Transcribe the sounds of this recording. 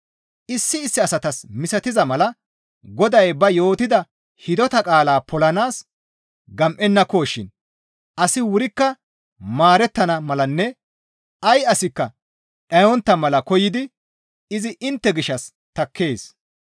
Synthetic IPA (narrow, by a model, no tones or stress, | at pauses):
ʔɪsːɪːsːɪɐsɐt̪ɐsmɪsɐt̪ɪzɐmɐlɐ | ɡɔd̪ɐjbɐjo̞ːt̪ɪd̪ɐ | hɪd̪ɔt̪ɐkʼaːlaːpʰɔlɐnaːs | ɡɐmʔɛnːɐko̞ːʃːɪ̰n | ʔɐsɪwʊɾɪkːɐ | maːɾɛt̪ːɐnɐmɐlɐnːɛ | ɐjɐsɪkːɐ | ʔɐwɔnt̪ːɐmɐlɐkɔjɪd̪ɪ | ɪzɪʔɪnt̪ːɛɡɪʃːɐs | t̪ɐkːe̞ːs